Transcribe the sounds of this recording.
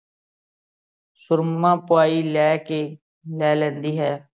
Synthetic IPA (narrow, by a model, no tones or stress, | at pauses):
sʊɾmãːpʊaːiːlɛːkeː | lɛːlɛ̃ːnd̪iːɦɛː